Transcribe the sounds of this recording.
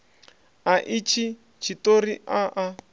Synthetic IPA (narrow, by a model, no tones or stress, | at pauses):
aʔit͡ʃʰi | t͡ʃʰitoɾiʔaʔa